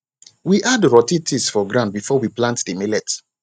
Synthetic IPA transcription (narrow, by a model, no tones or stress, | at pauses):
wiʔadɹɔtitʰisfɔɡɹãndbifɔwiplãntdimelɛt